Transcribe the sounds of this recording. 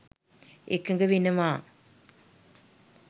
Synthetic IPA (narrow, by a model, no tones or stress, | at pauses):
ekəŋ̆ɡəʋinɐmaː